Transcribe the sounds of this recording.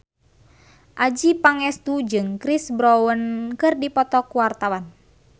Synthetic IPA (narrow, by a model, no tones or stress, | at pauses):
ʔad͡ʒipaŋɛst̪ud͡ʒɨŋkɾisbɾɔwənkɨrdipɔt̪ɔkuwart̪awan